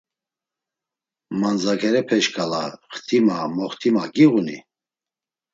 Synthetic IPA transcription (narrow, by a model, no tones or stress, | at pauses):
mand͡zakʰɛɾɛpʰɛʃkʰʼalaχt̪ʰimamɔχt̪ʰimaɡiʁunḭ